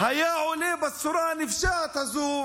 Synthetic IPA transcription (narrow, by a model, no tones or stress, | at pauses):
hɐjaːoːleːbɐsːuɾaːnifʃaːt̪ʰɐzuː